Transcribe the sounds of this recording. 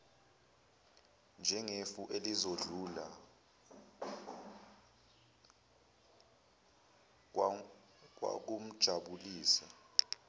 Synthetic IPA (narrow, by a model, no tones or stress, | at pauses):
nd͡ʒʱɛŋefuʔelizoɮula | wa̰k̬um̩d̥ʒ̥ʱaɓuliːsa